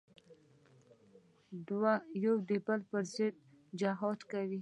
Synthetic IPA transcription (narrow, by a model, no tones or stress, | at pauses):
d̪wajowd̪ibalpəɾzɪd̪̚ | d͡ʒaɦɑt̪kawi